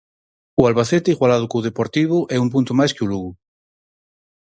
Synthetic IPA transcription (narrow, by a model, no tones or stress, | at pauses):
ualβaθet̪eiɣwalað̞ʊkuð̞epoɾt̪iβ̞ʊʔɛumpunt̪omajskeuluɣu